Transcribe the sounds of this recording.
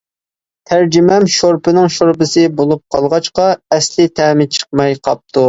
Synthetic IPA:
t̪ʰæɾd͡ʒymɛmʃoɾpɪnɪŋʃoɾpɪsɨbolˠup̚qʰɑlˠʁɑt͡ʃqɑɛslɪt̪ʰæːmɪt͡ʃʰə̥q̚mɑjqʰɑp̚t̪ʰu

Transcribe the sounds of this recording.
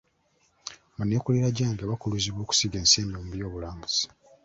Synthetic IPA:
muneːkuleɾaɟaːŋɡaβakuluziβwo̞ːku̥siɡeːnseːnomuβjo̞ːβulaːmbuz̥i̥

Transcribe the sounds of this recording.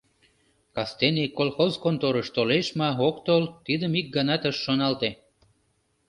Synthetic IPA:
kɑst̪enikolxozkont̪oɾəʃt̪oleʃmɑokt̪olt̪id̪əmik̚ɡɑnɑt̪əʃːonɑlt̪e

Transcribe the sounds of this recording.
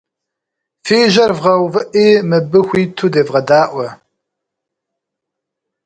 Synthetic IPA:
feːʒɐrvʁɐwvɨʔiːmɨbɨxʷiːtʰuːdeːvʁɐdaːʔʷɔ

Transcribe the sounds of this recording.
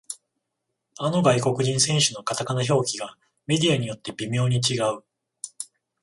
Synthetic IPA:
ano̞ɡaiko̞kɯ̟ʑĩɰ̃sẽ̞ɰ̃ɕɨno̞kat̪akanaço̞ːkʲiɡa | me̞d̪ʲijaɲ̟ijo̞t̪ːe̞bʲimʲo̞ːɲ̟it͡ɕiɡaɯ̟

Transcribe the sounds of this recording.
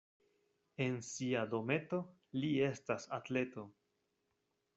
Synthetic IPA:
e̞nsiado̞me̞to̞ | lie̞stasatle̞to̞

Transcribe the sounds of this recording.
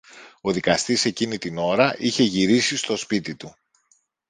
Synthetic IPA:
o̞ðikɐst̪ise̞cinit̪ino̞ɾɐʔiçe̞ʝiɾisist̪o̞spit̪it̪u

